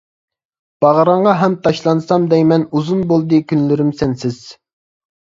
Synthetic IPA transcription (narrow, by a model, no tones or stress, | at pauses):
b̥ɑʁɾɑɴʁɑɦɛmt̪ʰɑʃlˠɑnsɑmd̪ɛjmɛnuzunbolˠd̪ɨkʲynlɪɾɪmsɛnsɪz̥